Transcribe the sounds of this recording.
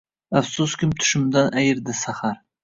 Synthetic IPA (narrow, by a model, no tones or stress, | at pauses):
afsʊskʲʰɪmt̪ʰʊ̥ʃɪmd̪anʔæjɪɾd̪ɪsaχaɾ